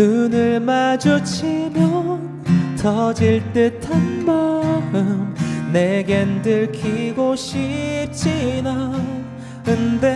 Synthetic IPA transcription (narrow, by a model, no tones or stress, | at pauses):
nɯnɯɭmad͡ʑut͡ɕʰimjʌ | tʰʌd͡ʑiɭt͈etʰanmaɯmneɡendɯɭkʰiɡoɕip̚t͡ɕʰina | kɯnde